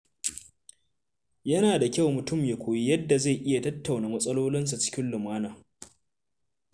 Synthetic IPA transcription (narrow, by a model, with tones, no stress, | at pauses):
jɐ˦naː˨da˨kʲa˦˨wmʊ˨tʊ˦˨mje˨kʷoː˨ji˦jɐ˦dːa˨za˦˨jʔɪ˦ja˨tɐ˦tːa˨wnaː˨mɐ˦sʼɐ˦loː˦lɪ˦ns̬a˨t͡ʃɪ̥˦kʲɪ˦nlʊ˨maː˦naː˨